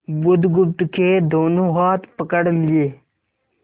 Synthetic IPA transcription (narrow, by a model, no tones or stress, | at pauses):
bʊd̪ɡʊb̚t̪kʰeːd̪oːnõːɦaːt̪pəkəɽlɪeː